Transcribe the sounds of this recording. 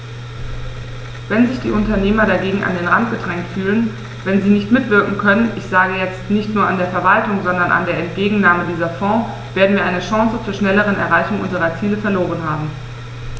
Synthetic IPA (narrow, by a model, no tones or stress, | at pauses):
vɛnzɪçd̥ḭːʔʊntɐneːmɐɾaɡeːɡŋ̩ʔa̰ndeːnʁantɡ̥ədʁɛŋk̚tfyːlən | vɛnziːnɪçtmɪtv̥ɪɐkŋ̩kʰœnənʔɪçz̥aːɡəjɛt͡stnɪçtnuːɐandeːɐfɛɐvaltʊŋzɔndɐnʔa̰ndeːɐɛntɡ̥eːɡŋ̩naːmədiːzɐfɔ̃ː | v̥eːɐdn̩viːɐʔaɪnəʃãŋsət͡suːɐʃnɛləʁ̞ənɛ̰ɐʁaɪçʊŋʔʊ̰nzəʁɐt͡siːləfɛɐloːʁ̞ənɦaːbm̩